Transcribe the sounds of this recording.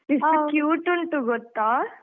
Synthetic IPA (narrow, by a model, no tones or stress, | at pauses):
isukjuːʈuɳʈuɡɔt̪ːaː